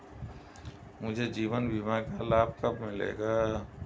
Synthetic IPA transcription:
mʊd͡ʒʱed͡ʒiːʋənbʱimakalaːb̚kəpmɪ̃lḛːɡaː

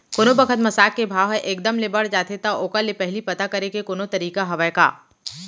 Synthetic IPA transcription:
koːnõbəkʰət̪mɐsaːkːebʱaːʋɦɛʔeːkd̪əmlebɐɽ̤d͡ʒaːt̪et̪aʔoːkalepɛɦlipɐt̪akɐɾekekoːnot̪ɐɾiːkaɦɐʋajka̰ː

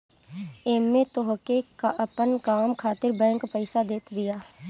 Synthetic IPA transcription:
eːmːẽt̪oɦkekaʔɐpənkaːmkʰaːt̪ɪɾbɛ̃ːŋkpəɪsad̪eːt̪bɪjaː

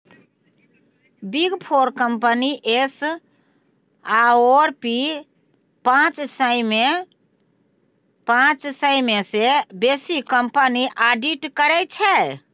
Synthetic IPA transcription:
biɡpʰoɾkəmpəniʔes | aoɾpi | pãt͡ʃsəjme | pãt͡ʃsəjmesebesikəmpəniʔaɖiʈkəɾɛt͡ʃʰɛ

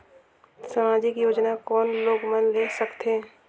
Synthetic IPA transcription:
samaːd͡ʒikijoːd͡ʒnakɔːnloːɡmənleːsəkt̪ʰeː

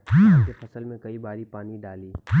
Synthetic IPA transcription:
kefɐsəlmẽkɐibaːɾipaːniɖaːliː

